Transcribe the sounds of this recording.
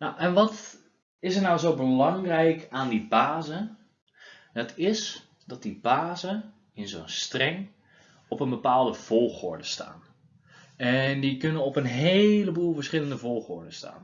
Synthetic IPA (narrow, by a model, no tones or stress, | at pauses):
nawʔɛnʋɔt | ɪsətnawzowbəlɑŋrɛjkaːndibaːzə | ətʰɪs | d̥ɔt̚dibaːzə | ɪnzoːnstrɛŋ | ɔpənbəpaːlˠdəv̥olˠxʊ̰ɹdəsta̰ːn | ɛndikønənɔpənɦeləbuːlˠvəɹsχɪləndəvolˠxʊ̰ɹdəsta̰ːn